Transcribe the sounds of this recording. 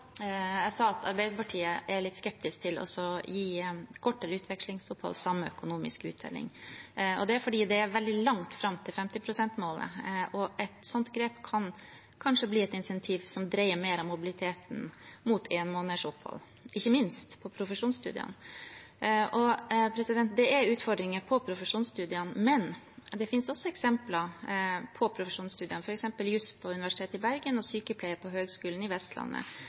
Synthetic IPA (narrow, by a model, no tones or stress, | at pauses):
ɛsɑːɑt̪ʰɑ̰ɾbæɪd̪əpɑʈʰiːəʔæɭɪt̪skɛp̚t̪ɪskt̪ʰɪlɔ̰sɔjiːkʰɔʈːəɾəʉːt̪ʋɛkʂlɪŋsɔphɔ̰lsɑmːəœ̰kʊnuːmɪ̰skʉːt̪̚d̪ɛ̰lːɪ̰ŋɔ̰d̪ɛæɾfɔɖiːd̪ɛæɾʋɛld̪ɪlɑŋt̪fɾɑmt̪ʰɪlfɛmt̪ɪpʰɾʊsɛnt̪moːlə̰ʔɔʔɛt̪sɔnt̪ɡɾeːpkʰɑn | kʰɑnʂəbliːɛt̪ɪnsɛnt̪ʰiːʋsɔmd̪ɾæɪəɾmeːɾɑmːʊbɪlɪt̪ʰeːt̪n̩mut̪ʰeːnmoːnəʂɔphɔ̰lː | ʔɪçːəmɪnst̪pʰɔpʰɾʊfəʂuːnst̪ʉ̰ːd̪ɪ̰n | ʔɔpʰɾɛsɪd̪ɛnt̪̚d̪ɛæɾʉːt̪fɔɾɖɾɪŋəpʰɔpʰɾʊfəʂuːnst̪ʉːd̪ɪɑnmɛn | d̪ɛfɪnsɔsːɔɛksɛmplɑpʰɔpʰɾʊfəʂuːnst̪ʉːd̪ɪənfɔɾɛksɛmpəljʉspʰɔʉnɪʋæʂɪ̥t̪ʰeːt̪ɪbæɾɡənɔsyːkəpʰlɛɪəpʰɔɦøːɡskʉːln̩ɪʋɛst̪lɑ̰nːə̰